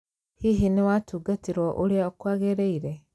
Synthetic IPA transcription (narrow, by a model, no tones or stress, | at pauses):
hiɦiniwatuːɡatiɾoʔuliaokwaːɣeɾeiɾe